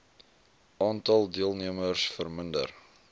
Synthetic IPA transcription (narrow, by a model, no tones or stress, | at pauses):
ʔɑːntɐlˠdiəlˠniəmərsfərməndə̰r